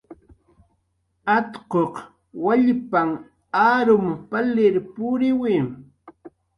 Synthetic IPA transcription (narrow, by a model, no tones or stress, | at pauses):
at̪qoq | waʎpaŋ | aːɾʊmpalɪɾpʊɾɪwɪm